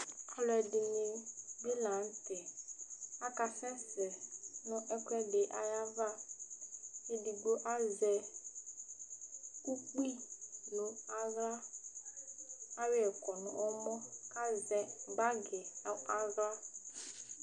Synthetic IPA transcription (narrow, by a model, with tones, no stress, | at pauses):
a˨lʊ˨ɛ˨dɪ˨ne˨be˦lã˨n̩˦tɪ˨ | a˦ka˨sɛ˦sɛ˨nʊ̃˦ʔɛ˦kʊ˦ɛ˦ɖɪ˨ʔa˨ja˦va˦ | e˦di˨ɡ͡bo˦ʔa˦zɛ˨ | ku˦k͡pi˦lʊ˨a˦ɣla˦ | a˦wɪ˦ɛ˨kɔ˨nʊ̰̃˨ʔɔ˦mɔ˦ka˦zɛ˨ɡ͡ba˦ɡɛ˨˦a˨ɣla˦